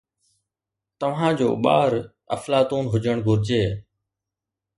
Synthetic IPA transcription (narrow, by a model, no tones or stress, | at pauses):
t̪əʋ̤ãːd͡ʒo̰ːɓa̰ːɾ | ə̰flaːt̪uːnɦʊd͡ʒəɳ̃ɡʱʊɾd͡ʑeː